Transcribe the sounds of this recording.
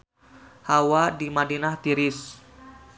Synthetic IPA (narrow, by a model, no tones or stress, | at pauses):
hawadimadinaht̪iɾɪs